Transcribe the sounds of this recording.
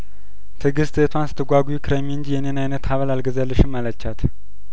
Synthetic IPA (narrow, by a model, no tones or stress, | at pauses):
t̪ʰɨɡɨst̪et̪ʰwansɨ̥t̪ʰɨɡʷaɡʷujikʰɨɾemiɨnd͡ʒijɛnenajnət̪haβəlalɡəzəlːɨʃɨmːalət͡ʃːat̪ʰ